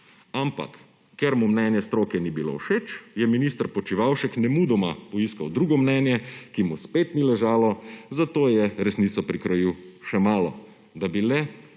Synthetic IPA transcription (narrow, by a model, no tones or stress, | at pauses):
ampa̰kː | ɛɾmumnɛnjɛst̪ɾoːkɛnibilo̰ːwʃet͡ʃjɛminiːst̪əɾpɔt͡ʃiʋawʃɛknɛmud̪ɔmapɔiskawd̪ɾuɡɔmnɛnjɛkimuspet̪nilɛʒaːlɔzat̪oːjɛɾɛsniːt̪sɔpɾikɾɔjiwʃɛmaːlɔ | d̪abilɛ